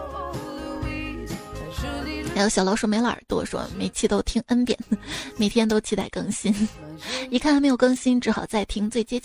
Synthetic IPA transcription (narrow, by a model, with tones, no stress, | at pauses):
xa˥ɪjo˧˥ɕjɑ˨˩ʊlɑ˧˥ʊʂu˥˩me˧˥ɪlə̰˞˨˩t̪wɔ̰˥ʂwɔ̰˥me˨˧˩ɪt͡ɕʰi˥˩t̪o˥ʊt̪ʰi˥ŋə˥npjɛ̰˨˩˦nme˨˩ɪt̪ʰjɛ˥nt̪o˥ʊt͡ɕʰi˥t̪a̰˥˧˩ɪkɤ˥ŋɕi˥n | i˧˥kʰa˥nxm˧˥ɪjʊkɤ˥ŋɕi˥nʈ͡ʂɻ̩˧˥xɑ˨˩ʊt͡sa˥˩ɪt̪ʰi˧˥ŋt͡swe˥˩ɪt͡ɕjɛ˥t͡ɕ